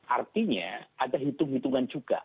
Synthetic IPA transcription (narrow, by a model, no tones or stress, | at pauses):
ʔart̪iɲa̰ʔadaɦit̪ʊŋɦit̪uŋand͡ʒuɡ̥a̰